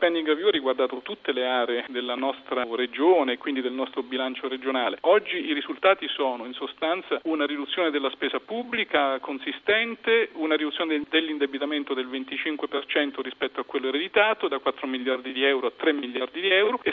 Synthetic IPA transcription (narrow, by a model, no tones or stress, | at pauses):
pɛnd̪iŋɡavjuarːiɡward̪aːt̪ot̪ut̪ːeleaːɾeed̪elːanɔst̪ɾaɾed͡ʒoːneːkːwind̪id̪elnɔst̪ɾobilant͡ʃoɾed͡ʒonaːleɔd͡ʒːiiɾizult̪aːt̪isɔːnoinsost̪ant̪saunaɾid̪ut̪sːjoːned̪elːaspeːzapubːlikakonsist̪ɛnt̪eunaɾid̪ut̪ːjoːned̪elːind̪ebit̪ament̪od̪elvent̪it͡ʃiŋkwepert͡ʃɛnt̪oɾispɛt̪ːoakːwelːoeɾed̪it̪aːt̪od̪akːwat̪ːɾomiljard̪id̪iɛwɾoat̪ːɾemːilːjard̪id̪iɛwɾoe